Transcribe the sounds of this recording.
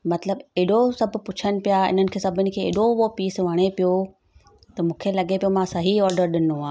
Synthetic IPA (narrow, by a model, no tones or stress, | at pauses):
mɐt̪ləbeɗosɐbʱʊ̆pʊt͡ɕʰəñɪ̆pijaɪ̰n̤ənɪ̆kʰeːsɐbʱɪnɪ̆kʰeːɪ̰ɗoʋopiːsʋɐɽ̃epijo | t̪ɐmũːkʰelɐɠepijomãsɐɦiɔːɾɖəɾɗɪnoãː